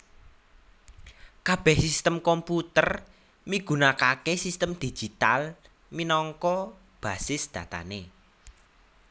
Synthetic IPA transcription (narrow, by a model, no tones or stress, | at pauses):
kab̥ɛhsist̪əmkɔmput̪ər | miɡ̥unakakesist̪əmd̪̥i̥d͡ʒ̥i̤t̪a̰l | minɔŋkɔ | b̥a̤sɪsd̪̥ä̤t̪a̰ne